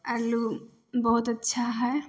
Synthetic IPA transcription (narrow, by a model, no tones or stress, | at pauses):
alu | bɔɦut̪ətːʃʰaɦɔe